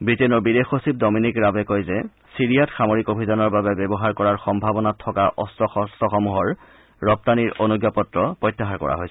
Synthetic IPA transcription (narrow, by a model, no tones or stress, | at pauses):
bitenɔɹbidexosip̚dɔminikɹabɛkojzɛ | siɹijatxamoɹikobʱizɔnɔɹbabɛbɛbɔɦaɹkɔɹaɹxɔmbʱabɔnatʰːɔkaʔɔstʰɔxɔstɔxɔmuɦɔɹː | ɔp̚taniɹonuɡjapɔtɹɔpɹɔjtːaɦaɹkɔ̰ɹa̰ɦojsɛ